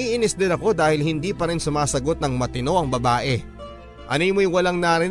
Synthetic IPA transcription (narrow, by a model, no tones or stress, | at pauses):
ʔiʔɪnɪsd̪ɛlɐko̞d̪aːhɪlhɪnd̪iːpɐɾɪnsʊmaːsɐɡo̞t̪̚nɐŋmɐt̪ɪno̞ʔɐŋbɐbaːʔɛ | ʔɐnijmojwɐlɐŋnaːɾɪ